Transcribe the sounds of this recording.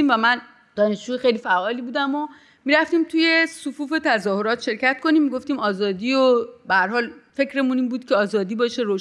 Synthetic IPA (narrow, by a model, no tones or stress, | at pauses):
iːmvæmæn | d̪̥ɒːne̞ʃd͡ʒuːxejliːfæʔɒːlibuːd̪æmo | miːɾæft̪iːmt̪ʰuje̞sufuːfe̞t̪ʰæzɒːhoɾɒːt̪ʃe̞ɾcæt̪̚kʰo̞niːmːiɡo̞ft̪iːmɒːzɒːd̪iːobehæɾɦɒːlfe̞cʰɾe̞muniːmbuːd̪̥cʰeɒːzɒːd̪iːbɒːʃeɾoːʃ